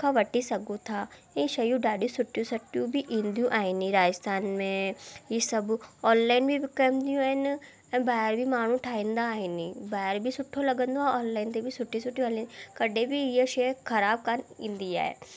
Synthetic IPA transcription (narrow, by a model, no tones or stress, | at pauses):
kʰaʋəʈːiːsəɡũːt̪ʰaː | ẽʃəjũːɖaːɖĩːsʊʈːjũːsəʈjũːbiːʔĩnd̪ijũːʔaːiːnĩːɾaːd͡ʒəst̪ʰaːnmẽːiːsəbɔːnlaːinbiːbkəmd̪ijũːnː | baːɾbiːmaːɽ̃ũːʈʰaːĩːnd̪aːɦiːniːbaːɛɾbiːsʊʈʰːõːləɡənd̪õːaːnlaːint̪eːbiːsʊʈʰːiːsʊʈːjũaliːnkəɖeːbiːijeʃeːkʰəɾaːb̚kənḭ̃nd̪iːa̰ːḛː